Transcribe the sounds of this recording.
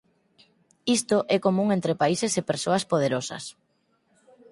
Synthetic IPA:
ist̪oʔɛkomũŋent̪ɾepaisesepeɾsoɐspoð̞eɾosɐ̰s

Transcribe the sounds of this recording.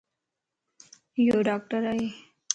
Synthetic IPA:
joɖaːk̚ʈəɾae

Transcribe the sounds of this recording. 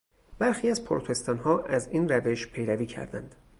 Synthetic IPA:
b̥æɾxiːæzpʰoɾot̪ʰe̞st̪ɒːnhɒːʔæziːnɾæve̞ʃpʰe̞jɾæviːcʰæ̰ɾd̪æ̰nd̪̥

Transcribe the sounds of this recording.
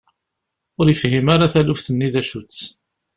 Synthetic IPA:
ʊɾjəfhimaɾaθælufθənːiðæʃut͡sː

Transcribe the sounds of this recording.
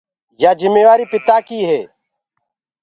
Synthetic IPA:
jaːd͡ʒɪmːeːʋaːɾiːpɪt̪aːkiːɦeː

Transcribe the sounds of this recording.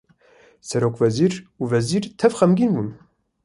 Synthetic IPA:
sɛɾoːkvɛziːɾuvɛziːɾt̪ʰɛvxɛmɡinbun

